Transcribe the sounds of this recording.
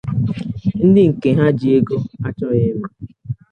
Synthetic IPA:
n̩˦dɪ˦ŋ̩˨ke˨ɦa˦d͡ʒi˨e˦ɡo˦a˦t͡ʃɔ˦ɣe˦me˦

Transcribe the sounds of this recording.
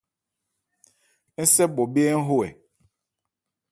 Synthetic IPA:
n̩˦sɛ˦bɔ˨be˦ɛ˦ŋ̩˦ɦo˦ɛ̰˨

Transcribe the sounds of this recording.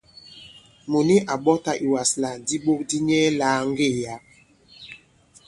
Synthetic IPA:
mo˨ni˦ʔa˨ɓɔ˦ta˦ʔi˨wa˨sla˨di˦ɓo˦k̚di˦ɲɛ˦la˦ŋ˦ɡe˦˨ja˨˦

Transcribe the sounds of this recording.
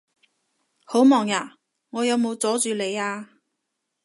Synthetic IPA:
ho˨˥wmɔː˨˩ŋjaː˨˩ | ŋɔː˨˧jɐ˨˧wmo˨˧wt͡sɔː˨˥t͡ʃyː˨le˨˧jaː˧

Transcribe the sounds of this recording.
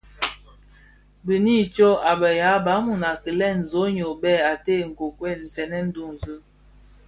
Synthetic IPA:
bə˨ni˦˨t͡ʃo˦a˨bə˨ja˨˦ba˨˦mu˨na˨kə˨lɛ˦˨n̩˨zo˨˦ɲo˨bɛ˦˨a˨te˦˨ŋ̩˨ko˨kwɛ˦˨n̩˨zɛ˨nɛ˦n̩˦du˦˨ŋ˨zɨ˦

